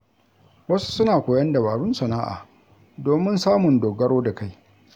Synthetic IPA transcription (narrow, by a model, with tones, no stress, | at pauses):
wɐ˦su̥˦sʊ˦naː˨kʷoː˨jɐ˦ndɐ˨baː˨ɽʊ˦nsɐ˨naː˦ʔa̰ː˨ | doː˨mɪ˦nsaː˦mʊ˨ndoː˨ɡɐ˦ɽoː˦da˨ka˦j